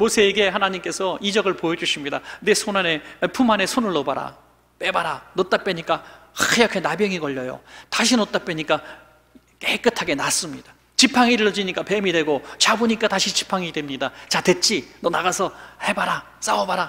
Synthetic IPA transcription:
mosʰe̞ːɡe̞hanaɲimk͈e̞sʰʌid͡ʑʌɡɯɭpojʌd͡ʑuɕʰimɲidanesʰonane̞pʰumane̞sʰonɯɭːʌbaɾa̰ | pe̞baɾanot͈ap͈eɲik͈ajakʰe̞nabjʌŋiɡʌʎːʌjo̰taɕʰinʌt͈ap͈eɲik͈a | kek͈ɯtʰaɡe̞nas͈ɯmɲid̥ḁ | t͡ɕipʰaŋiɾɯɭːʌd͡ʑiɲik͈ape̞midwe̞ɡot͡ɕaboɲik͈ataɕʰit͡ɕipʰaŋidwemɲidat͡ɕatwe̞t̚t͡ɕ͈inʌnaɡasʰʌhe̞baɾa | s͈aobaɾa

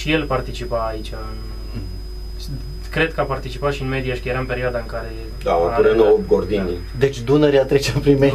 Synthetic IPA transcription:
ʃijelpart̪it͡ʃipaːit͡ʃʲa | kɾed̪̚kəapart̪it͡ʃipaʃiɨnmed̪iaʃkəjeɾampeɾioad̪aɨŋkaɾe | d̪aounenoob̚ɡord̪ini | d̪et͡ʃʲd̪unəɾiat̪ɾet͡ʃeampɾime

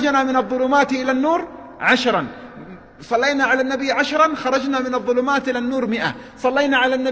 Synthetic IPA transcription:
d͡ʒnamɪnɑðˤːʊlʊmaːt̪ʔɪlanːuːɾ | ʕaʃɾˤɑn | sˤɑlːejnaʕalanːabɪjːʕaʃɾˤɑnxɑɾˤɑd͡ʒnamɪnɑðˤːʊlʊmaːt̪ʔɪlanːuːɾmɪʔa̰ | sˤɑlːejnaʕalanːa

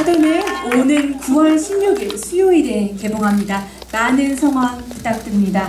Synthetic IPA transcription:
adoneonɯnkuwʌɭɕʰimɲuɡiɭsʰujoiɾeke̞boŋɦamɲida | manɯnsʰʌŋɦwaŋpit͈ak̚t͈ɯmɲida

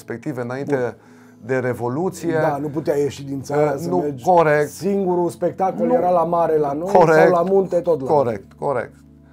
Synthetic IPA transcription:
spek̚t̪iveɨnaint̪e | d̪e̞ɾe̞vo̞lut̪sijed̪anuput̪eaje̞ʃid̪int̪saɾasnəumed͡ʒkoɾekt̪siŋɡuɾuspe̞k̚t̪akoljeɾalamaɾe̞lanojoɾseawlamunt̪e̞t̪ot̪loɾḛk̚t̪koɾḛk̚t̪

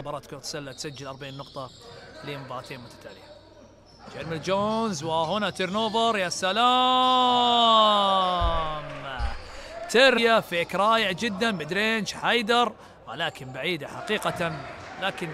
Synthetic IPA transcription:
bɑɾˤɑːt̪kot̪sˤalːat̪sad͡ʒːɪlʔɑɾˤbaʕiːnːʊqt̪ˤɑleːmabɑɾˤɑt̪eːnmʊt̪ḁt̪ʰaːlɪja | d͡ʒaɾmɪld͡ʒoːnzwahʊnat̪ɪɾnoːbɨɾˤjasala | m | t̪eɾjafeːkɾˤɑːjɪʕd͡ʒɪd̪ːanbɪd̪ɾeːnʃħajd̪ɑɾˤ | wa̰laːkɪnbaʕiːd̪aħaqiːqat̪anlaːkɪn

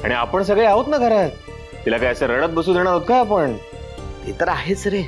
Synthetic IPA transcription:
a̰ɽ̃ia̰pəɳs̬əɡɭeɦaot̪naɡʱəɾat̪̚ | t̪ilakajəseɾəɽət̪̚bəsuːd̪eɽ̃aɾot̪̚kʰajapəɳ | ɦḛt̪əɾaɦet͡sɾe

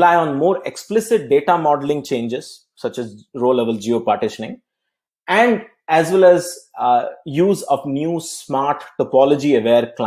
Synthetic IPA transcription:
laɪɔ̃ːnmoːɾeksplɪsɪʈ̚ɖeːʈamɔːɖəlɪ̃ŋt͡ʃẽːnd͡ʒɪz̥ | sʌt͡ʃɛzɾoːlɛʋəld͡ʒioːpaːɾʈɪʃənɪ̃ŋ | ɛ̃ɳɖ | æzʋɛlɛz | juːzɔʋnjuːsmaːɾʈʈɔpɔlɔd͡ʒiəʋeːɾkla

